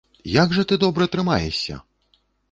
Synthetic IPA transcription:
jaɡʐɐt̪ɨd̪ɔbɾɐt̪ɾɨmajɛ̰sʲɐ̰

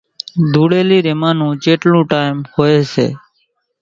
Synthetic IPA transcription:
d̪ʱuːɽeːliɾemaːnũːd͡ʒeʈlũːʈajmhojet͡ʃʰḛ

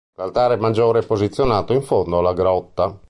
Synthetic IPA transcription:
lalt̪aːɾemad͡ʒːoːɾɛpːozit̪sːjonaːt̪oiɱfond̪oalaɡɾɔt̪ːa

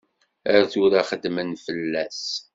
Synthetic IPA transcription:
əɾθuɾaχəd̪mənfəlːæs

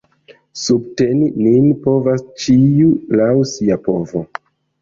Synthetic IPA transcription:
sub̚tenininpo̞vast͡ʃiulawsiapo̞vo

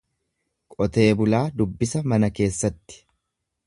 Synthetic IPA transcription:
kʼɔt̪e̞ːbʊlaːd̪ʊbːɪsɐmɐnɐke̞ːsːɐt̪ːɪ̥

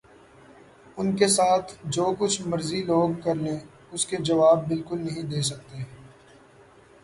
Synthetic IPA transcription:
ʊnkesaːt̪ʰd͡ʒoːkʊt͡ʃʰmɐɾziloːɡkɐɾlẽ | ʊsked͡ʒɐʋaːbːɪlkʊlnɐɦĩd̪eːsɐk̚t̪eː

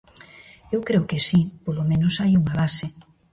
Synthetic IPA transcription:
ewkɾeokesipolomẽnosajuŋaβase

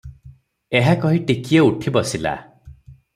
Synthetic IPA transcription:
eɦakɔɦiʈikijeuʈʰibɔsila̰

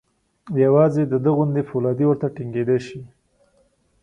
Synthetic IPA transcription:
jawɑzed̪əd̪əɣʊnd̪efulɑd̪iwəɾt̪aʈɪŋɡed̪aʃi

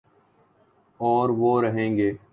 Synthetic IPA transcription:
ɔːɾʋoːɾəɦẽːŋɡeː

